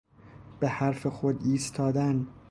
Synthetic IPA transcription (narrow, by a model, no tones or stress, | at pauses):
b̥ehæɾfexod̪iːst̪ʰɒːd̪æn